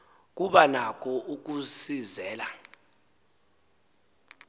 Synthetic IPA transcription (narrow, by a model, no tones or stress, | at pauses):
k̬ʼuɓanakʰɔʔuk̬ʼusizɛːla